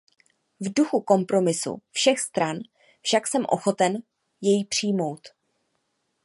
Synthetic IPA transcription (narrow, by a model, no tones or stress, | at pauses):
vduxuko̞mpɾo̞mɪsṵfʃɛxst̪ɾan | fʃaksɛmʔo̞̰xo̞t̪ɛn | jɛjipr̝̥ɪjmo̞wt̪